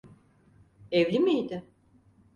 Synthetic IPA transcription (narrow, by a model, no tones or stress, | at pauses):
evlʲimijd̪ɪ